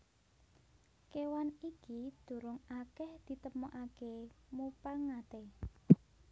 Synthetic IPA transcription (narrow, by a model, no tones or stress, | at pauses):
kewanikid̪̥ṳɾʊŋakɛhd̪̥i̤t̪əmoʔakemupaŋat̪e